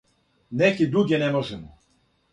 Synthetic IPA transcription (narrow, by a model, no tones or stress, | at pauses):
nɛkid̪ɾuɡʲɛnɛmɔʒɛmɔ